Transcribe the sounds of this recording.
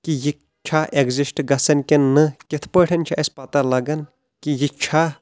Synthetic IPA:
kiji | t͡ʃʰaʔeɡzisʈɡɐsɐnkʲenːɨkʲit̪ʰpəʈʰɐnt͡ʃʰiʔɐspɐt̪alɐɡɐn | kijit͡ʃʰa

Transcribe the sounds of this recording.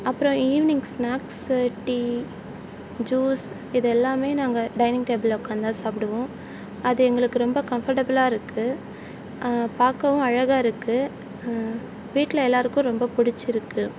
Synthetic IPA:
ɐpːɯɾɔ̃iːʋɪnɪŋɡsnaːksʈi | d͡ʒuːs | ɪðɛlːaːmeːnaːŋɡɐɖɐɪnɪ̃ŋɡʈeːbɐlɐkːaːnd̪ãːsaːpɪɽɐʋõ | ɐðɯɛŋɡɐɭɯkːɯɾɔmbɐkɐmfɐɾʈɐbɐlaːɪɾɯkːɯ | paːkːɐʋʊ̃ɐɻɐɣaːɪɾɯkːɯ | ʋiːʈːlɐɛlːaːɾɯkːʊ̃ɾɔmbɐpʊɽɪt͡ʃːɪɾɯkːɯ

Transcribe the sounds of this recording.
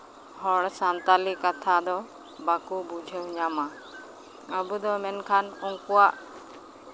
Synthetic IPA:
hɔɽsant̪alikat̪ʰad̪ɔ | bakubud͡ʒʱewɲama | əbud̪ɔmɛnkʰanuŋkuwaʔ

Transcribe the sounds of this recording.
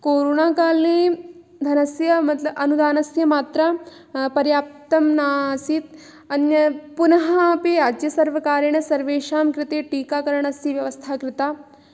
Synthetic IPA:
koːɾoːnaːkaːlneː | d̪ʱɐnɐsjɐmɐt̪lɐbɐnud̪aːnɐsjɐmaːt̪ɾɐ | pɐɾjaːp̚t̪ɐmnaːsit̪ | ɐnjɐpunɐɦaːpeɾaːd͡ʒjɐsɐɾʋɐkaːɾjɐɳɐsɐɾʋeːʃaːmkɾɪt̪eːʈiːkaːkɐɾɐɳ̃ɐsjɐʋjɐʋɐst̪ʰaːkɾɪt̪aː

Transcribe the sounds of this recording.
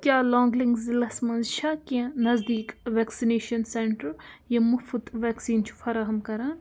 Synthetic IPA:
kʲjaːlɔ̃ːŋɡliŋɡzilɐsmɐnzʃʰakiẽnɐzd̪iːkʋɛːksineːʃɐnseɳʈɐɾjɐmufut̪ʋɛːksiːnt͡ʃʰu̥fɐɾaːɦɐmkɐɾaːn

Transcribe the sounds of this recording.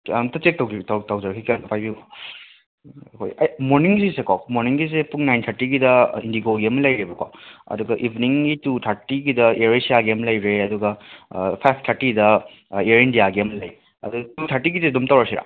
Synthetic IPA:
mtɐt͡ʃek̚tɐwtawtɐwd͡ʒɐɾɐkʰikeɐpʰajbika | ɐkʰo̰jɐjmoɾniŋsisekakmoɾniŋɡis̬epuŋnajntʰɐɾtiɡidɐḭndiɡoɡiɐmɐlɐjɾebɐkwa̰ɐ̰duɡɐʔibʱniŋɡitutʰɐɾtiɡidɐeɾisiaɡiɐmɐlɐjɾeɐduɡɐpʰajpʰtʰaɾtidɐ | eɾindijaɡiɐmɐlɐj | ɐ̰duɡɐtutʰaɾtiɡizedumtɐwɾasiɾa̰

